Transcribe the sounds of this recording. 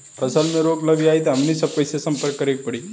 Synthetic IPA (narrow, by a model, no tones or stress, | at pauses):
pəsalmeɾoɡləʋiait̪amnisəpəjsesəmpəɾkːəɾek̚pəɽi